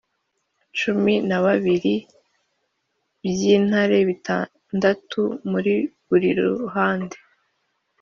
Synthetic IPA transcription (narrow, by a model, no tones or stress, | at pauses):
t͡ʃuminaβaβiɾi | bjiːn̥haɾe̞βita | ndatʰumuɾiβuɾiɾṵɦaːnde